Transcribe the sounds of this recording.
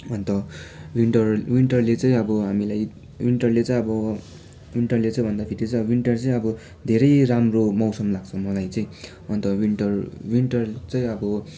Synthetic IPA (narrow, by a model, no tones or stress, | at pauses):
ʌnt̪ʌwinʈʌrwiɳʈʌrlet͡sʌĩʌbʌɦamilaj | wiɳʈʌrlet͡sʌĩʌbʌ | wiɳʈʌrlet͡sʌj̃bʱʌnd̪apʰiɾet͡saj̃ʌʌwiɳʈʌrt͡sʌĩʌbʌ | d̪ʱeɾʌjramromʌwsʌmlaɡ̚t͡sʰʌmʌlajt͡sʌĩ | ʌnt̪ʌwinʈʌrwinʈʌrt͡sʌj̃ʌbʌ